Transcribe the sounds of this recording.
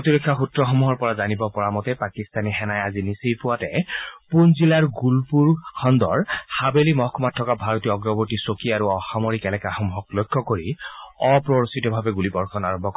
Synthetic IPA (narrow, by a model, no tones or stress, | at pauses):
otiɹɔkʰːaxutɹɔxɔmuɦɔɹpɔɹazanibɔpɔɹamɔtɛpakist̪aniɦɛnajazinisejpʊwatɛpunzilaɹɡulpuɹkʰɔndɔ̰ɹhabelimɔɦkʰɔmatʰːɔkabʱaɹɔtiɔɔɡɹɔbɔɹtisokiaɹuɔxamoɹikɛlɛkaxɔmuɦɔklɔjkʰːɔkoɹiɔpɹɔɹsitɔbʱabɛɡulibɔɹkʰɔnaɹɔmbʱɔk